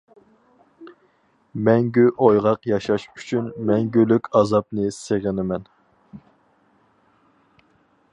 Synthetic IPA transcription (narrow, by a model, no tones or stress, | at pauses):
mɛŋɡʲyʔojʁɑqjɑʃɑʃy̥t͡ʃʰynmɛŋɡʲølykʲʰɑzɑp̚nɨseʁənɪmɛn